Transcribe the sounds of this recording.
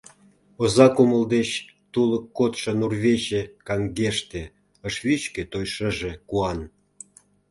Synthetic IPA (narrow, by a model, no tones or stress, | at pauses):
ozɑkuməld̪et͡ɕ | t̪uləkːot̪ʃɤ̆nurβeɕekɑŋɡeʃt̪ĕ | ə̆ʃβit͡ɕket̪ojʃə̆ʒĕkuɑn